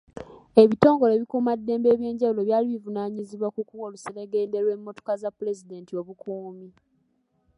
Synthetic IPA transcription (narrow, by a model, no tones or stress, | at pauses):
e̞βito̞ːŋɡo̞le̞ːβikumadːe̞ːmbe̞ːβje̞ːɲɟawulo̞βjaːliβivunaːɲiziβwakukuwoluseleɡe̞ːnde̞ɾwe̞mːo̞to̞̥kazapːule̞zide̞ːntio̞βukʰuːmi